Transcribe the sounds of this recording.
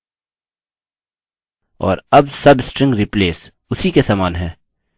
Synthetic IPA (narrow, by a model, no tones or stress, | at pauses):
ɔ̰ːɾɐbsɐbsʈɾɪ̃ŋɡɾipleːs | ʊsikesaːmaːnɦɛ̃ː